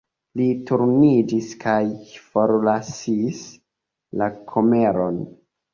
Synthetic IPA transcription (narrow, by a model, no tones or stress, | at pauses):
lituɾnid͡ʒiskʰajfo̞ɾlasis | lakʰome̞ɾo̞n